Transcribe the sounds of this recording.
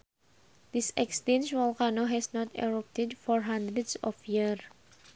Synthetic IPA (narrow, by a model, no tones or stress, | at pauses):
d̪̥isɛkst̪ĩnt͡ʃwɔlkanoɦɛsnɔt̪ɛ̰ɹɔp̚t̪ɛdfɔɹɦãnd̪ɾɛdsɔ̰fjir